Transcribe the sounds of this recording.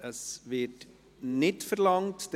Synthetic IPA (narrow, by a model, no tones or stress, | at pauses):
əsvɪt | nɪtfəɾlɑŋtd̥